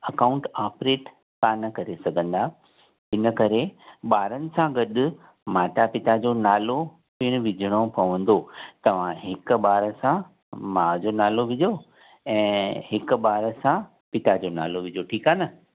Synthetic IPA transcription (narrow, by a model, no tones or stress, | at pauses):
ɐkãːʊ̃ɳʈaːpɾeːʈ | k̪aːnɐkɐɾesɐɡʱə̃nd̪a | ɦɪnəkɐɾeɓaːɾənɪ̆sãɡɐɗʊ | maːʈapɪt̪ad͡ʑoːnaːlo | pɪɽ̃ʋɪd͡ʑʱəɽ̃opɐʋə̃nd̪ot̪ɐʋ̤ãɦɪk̆ɓaːɾəsã | maːd͡ʑonaːloʋɪd͡ʑo | ɛ̃ːɦɪkʊ̆ɓaːɾəsã | pɪt̪ad͡ʑona̰ːloʋɪd͡ʑoʈʰiːkaːnɐ